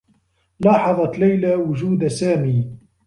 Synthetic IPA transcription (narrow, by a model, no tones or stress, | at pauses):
lɑːħɑðˤɑt̪lajlawʊd͡ʒuːd̪asaːmiː